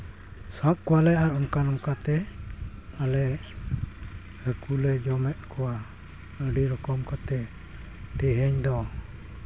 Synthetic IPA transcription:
sap̚kuwalɛaɾɔŋkanɔŋkat̪ɛ | alɛ | ɾəkʰulɛd͡ʒɔmɛʔkuwa | əɖiɾɔkɔmkat̪ɛ | t̪ɛɦɛɲd̪ɔ

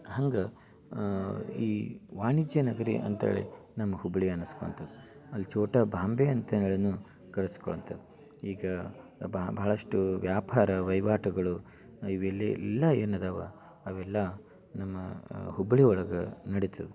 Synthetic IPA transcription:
hɐŋɡɐ | iːʋaːɳid͡ʒjɐnɐɡɐɾḭʔɐ̰nt̪ɐ̰ɭḛ | nɐmːɐhubɭiɐnɐskoɭɐnt̪ʰɐd̪u | ɐlːit͡ʃoːʈɐbʱaːmbeɐnt̪ɐneɭɐnu | ɡɐɾɐskɔɭɐnt̪ʰɐd̪u | iːɡɐbbɐɦɭɐʂʈuʋjaːpʰaːɾɐʋɐjʋaːʈɐɡɐɭu | iʋelːiilːɐeːnɐd̪aːʋɐ̰ | ɐʋɛlːɐ | nɐmːɐhubɭiɔɭɐɡɐnɐɽit̪ɐʋe

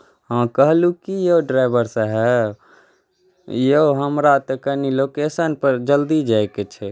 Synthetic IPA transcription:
ɦãkəɦlukijeɖɾaɪbəɾsə̃ɦɛ | jeoɦəmɾat̪əkənilokesənpəɾd͡ʒəld̪id͡ʒajket͡ʃʰɛ

